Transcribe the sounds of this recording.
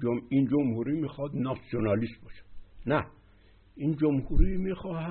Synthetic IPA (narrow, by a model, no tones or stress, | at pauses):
oind͡ʒomhuɾimiːxɒd̪nɑsijonɑlist̪bɒːʃæ̥d̪̥næ | iːnd͡ʒomhuɾimixɒːhæ